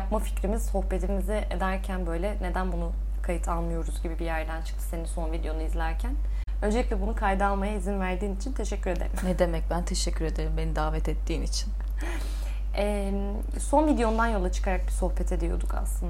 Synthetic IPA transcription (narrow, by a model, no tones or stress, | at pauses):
jap̚mafi̥cɾimiz̥so̞xpe̞t̪ʰimizɛed̪æɾcʰænbø̞jlʲɛne̞d̪ænbunu | kʰajit̪ʰalˠmɯjo̞ɾuzɟibibijæɾd̪ænt͡ʃʰɯ̥kt̪ʰɯ̥se̞niso̞nvid̪ejo̞nuizlʲæɾcʰæn | ønd͡ʒelʲiclʲɛbunukʰajd̪ɯalˠmajaizinvæɾd̪iːnit͡ʃʰint̪ʰe̞ʃɛcːyɾe̞d̪eɾimnɛd̪emɛc̚bænt̪ʰeʃɛcʰːyɾe̞d̪eɾimbe̞nid̪aːvɛt̪ɛt̪ʰːiːnit͡ʃʰin | ɛ | so̞nvid̪ejo̞nd̪anjo̞lˠat͡ʃʰɯ̥kʰaɾak̚biso̞xpɛt̪ʰe̞d̪ijo̞̰d̪uka̰slˠɯnd̪a